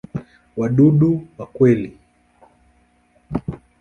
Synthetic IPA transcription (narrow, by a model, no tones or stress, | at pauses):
waɗuɗuwakwɛli